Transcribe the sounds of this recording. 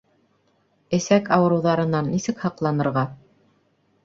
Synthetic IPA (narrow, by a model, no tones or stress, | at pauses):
ɘ̆sækɑwɤ̆ɾɤ̆wðɑɾɤ̆nɑnːisɘ̆khɑqlˠɑnɤ̆ɾʁɑ